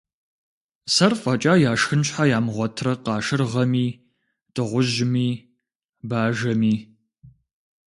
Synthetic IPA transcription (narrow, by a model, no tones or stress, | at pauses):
sɐrfʼɐt͡ʃʼaːjaːʂxɨnɕħajaːmʁʷɔtʰrɐqɑːʃɨrʁɐmiː | d̥ɨʁʷʊʒmiː | baːʒɐmiː